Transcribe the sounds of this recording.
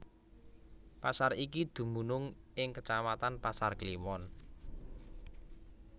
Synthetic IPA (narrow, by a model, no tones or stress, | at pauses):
pasarikid̪̥ṳmbṳnʊŋʔɪŋkət͡ʃamat̪anpasarkliwɔn